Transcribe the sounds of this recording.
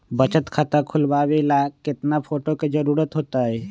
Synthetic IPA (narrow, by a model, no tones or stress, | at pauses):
bət͡ʃət̪kʰat̪əkʰʊlbaːʋelakɪt̪napʰoːʈoked͡ʒəɾuːɾət̪ɦoːt̪aɦe